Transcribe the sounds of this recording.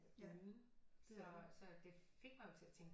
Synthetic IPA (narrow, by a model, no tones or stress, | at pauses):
sɒsɒ̽d̥e̝fe̝ɡ̥̚mɑjo̝t͡sʰe̝æt͡sʰeŋɡ̥